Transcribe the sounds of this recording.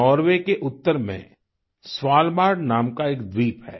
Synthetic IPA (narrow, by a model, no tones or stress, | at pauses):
ɔːɾʋekeʔʊt̪ːəɾmḛ̃ | swaːlbaːɖnaːmkaeːkd̪ɾiːpɦɛ̰ː